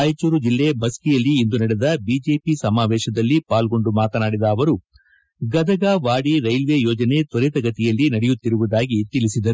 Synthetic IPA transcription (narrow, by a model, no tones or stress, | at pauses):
aːjt͡ʃuːɾud͡ʒilːe̞bɐskijɐlːiːnd̪unɐɽed̪ɐbiːd͡ʒe̞ːpisɐmaːʋɛːʃɐd̪ɐlːipaːlɡo̞ɳɖumaːt̪ɐnaːɽid̪ɐːʋɐɾu | ɡɐd̪ɐɡaːʋaːɽiɾɐjlʋeːjɔːd͡ʒɐne̞t̪ɔɾit̪ɐɡɐt̪ijɐlːinɐɽɛjut̪ːiɾuʋud̪aːɡit̪ilisid̪ɐɾ